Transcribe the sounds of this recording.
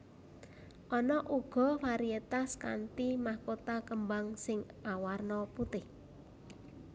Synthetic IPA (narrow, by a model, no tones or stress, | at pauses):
ʔɔnɔʔuɡ̥ɔ̤faɾiet̪aska̰nt̪imahkot̪akəmbaŋsɪŋʔawarnɔput̪ɪh